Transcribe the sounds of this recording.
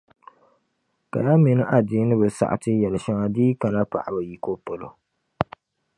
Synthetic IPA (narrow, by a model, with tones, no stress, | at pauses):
ka̰˨ja˦mɪ˨nɨ˦ʔa˨diː˦nɨ˦bɨ˨sa̰˨ʔa̰˨tɨ˦jɛ˨lɨ˨ʃa˦ŋa˦diː˦ka˨na˦pa̰˨ʔa˨bɨ˨ji˨ko˦po˨lo̰˨